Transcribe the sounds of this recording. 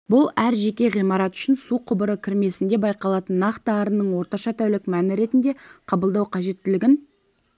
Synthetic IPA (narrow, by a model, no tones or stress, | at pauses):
bʊlˠæɾʒe̞kʲe̞ʁijmɑɾɑt̪ʏ̥ʃɪnsuqʰʊbəɾəkʲʰɪɾme̞sɪnd̪e̞bɑjqɑlˠɑt̪ənːɑqt̪əɑɾənːəɴwo̞ɾt̪ɑʃɑt̪ʰæwlɪkmænɪɾe̞t̪ɪnd̪e̞qʰɑbəlˠd̪ɑwqʰɑʒe̞t̪ːɪlɪɡʲɪn